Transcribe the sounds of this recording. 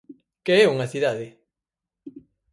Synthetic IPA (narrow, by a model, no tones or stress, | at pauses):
keɛuŋɐθiðaðɪ